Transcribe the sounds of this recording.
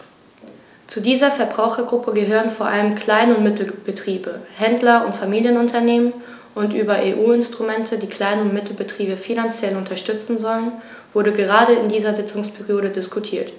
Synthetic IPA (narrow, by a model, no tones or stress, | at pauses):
t͡sudiːzɐfɛɐbʁaʊxɐɡʁʊpʰəɡəɦøːʁənfoːɐʔaləmkʰl̥aɪnəʊntmɪtl̩b̥ətʁ̥iːbəhɛndlɐʊntfamiːljənʊntʰɐneːmən | ʔʊntʔyːbɐʔeːʔuːɪnstʁ̥umɛntʰədiːkl̥aɪnəʊntmɪtʰl̩bətʁ̥iːbəfinant͡sjɛlʊntʰɐʃtʏt͡sn̩zɔlən | v̥ʊɐɾəɡəʁ̞aːɾəɪndiːzɐzɪt͡sʊŋspʰɛʁijoːɾədɪskʰutʰiːɐt